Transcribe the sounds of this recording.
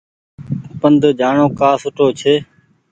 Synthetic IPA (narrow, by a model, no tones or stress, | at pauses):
pənd̪ʱd͡ʒaːɳoːkaːsʊʈʰoːt͡ʃʰeː